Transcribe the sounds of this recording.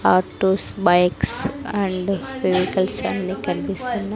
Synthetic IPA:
aːʈoːsbɐjksɐɳɖʋeʋikɐlsɐ̰nːikɐɾbisunːɐ

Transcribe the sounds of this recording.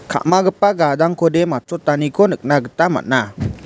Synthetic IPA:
kʰa̰ʔmaɡəpaɡad̪aŋkʰɔdɛmatɔtanikʰɔnɯk̚naɡətama̰t̚na

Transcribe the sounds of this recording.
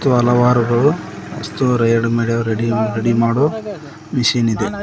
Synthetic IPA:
t̪uɐlɐʋaːɾuɡɐɭuɐ̰st̪uɾɐjɐɽumeːɭeɾeɽiɾeɽimaːɽo | miʃiːnid̪e

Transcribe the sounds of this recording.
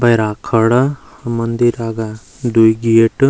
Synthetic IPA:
bɐjɾaːkʰəɽa | mɐnd̪iɾaɡa | d̪uiɡieʈ

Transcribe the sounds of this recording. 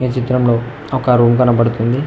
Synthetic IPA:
ʋit͡ʃit̪ːɾɐmloː | ɔkɐɾuːmkɐnɐpɐɽut̪und̪i

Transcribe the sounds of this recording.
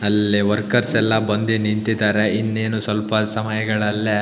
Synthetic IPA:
ɐlːiʋɐɾkɐɾsɛlːɐbɐnd̪enint̪id̪aːɾeinːeːnusʋɐlpɐsɐmɐjɐɡɐɭɐlːe

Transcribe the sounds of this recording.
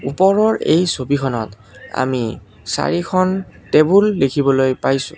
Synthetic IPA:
upɔɹɔɹḛjsobikʰɔnɔt | a̰mi | sa̰ɹikʰɔn | tebulːekʰibɔlojpajsʊ̰̃

